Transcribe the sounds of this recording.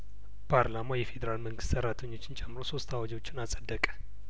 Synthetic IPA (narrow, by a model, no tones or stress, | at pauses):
pʰaɾlamajɛfe̞d̪əɾalməŋɡɨst̪səɾat̪ʰəɲːo̞t͡ʃːɪnt͡ʃʼɛmːɨɾoso̞st̪awad͡ʒo̞t͡ʃːɪnasʼəd̪ːəkʼə̥